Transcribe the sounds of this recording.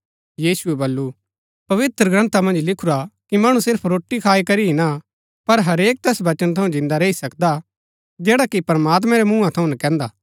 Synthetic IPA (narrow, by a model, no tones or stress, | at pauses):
jiːsuɛbɐlːu | pɐʋɪt̪ɾəɡɾɐ̃nt̪amɐ̃nd͡ʒlɪkʰuɾakimɐːɽ̃ũsɪɾpʰɾoːʈːikʰaːikɐɾiɦɪna | pɐɾɦɐɾeːk̚t̪ɛːsʋɐt͡ʃənt̪ʰɐũd͡ʒɪ̃nd̪aɾeisɐkd̪a | d͡ʒɛːɽakipɾɐmaːt̪̬mɛ̃ɾɛmũːãt̪ʰɐũnɐkɛ̃ːnd̪aː